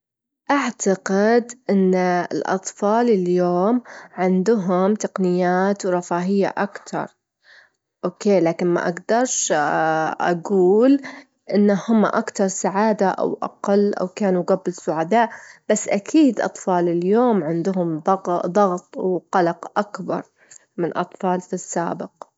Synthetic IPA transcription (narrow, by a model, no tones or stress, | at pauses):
ʔaʕt̪aqɪd̪ʔɪnːɪlʔɑ̰t̪ˤfɑːlɪljoːmʕɪnd̪ʊɦʊmt̪aqnɪjːaːt̪wɾˤɑfaːɦɪjːa̰ʔakt̪ʰɑ̰ɾˤ | ʔoːkeːlaːkɪnma̰ʔa̰ɡd̪ɑɾˤʃ | ʔa̰ɡuːl | ʔɪnːahʊmːa̰ʔakt̪ɑɾˤsaʕaːd̪aʔa̰wʔa̰qɑlːʔa̰wkaːnuɡabːɪlsʊʕad̪aːʔb̥asːʔakʰiːd̪ʔɑ̰t̪ˤfɑːlɪljoːmʕɪnd̪ʊɦʊmd̪ɑd̪ˤɑɣt̪ˤwqɑlɑqʔakbɑ̰ɾˤ | mɪnʔɑ̰t̪ˤfɑːlfisːa̰ːbɪq